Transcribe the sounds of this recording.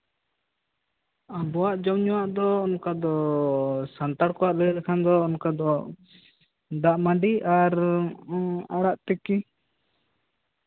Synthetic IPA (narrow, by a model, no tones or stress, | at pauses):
abɔwaʔd͡ʒɔwɲɔwaʔd̪ɔɔnkad̪ɔ | sant̪aɽkɔwaʔlɛɾɛkʰand̪ɔːnkad̪ɔ | d̪aʔmaɖiaɾ | aɽaʔt̪ɛki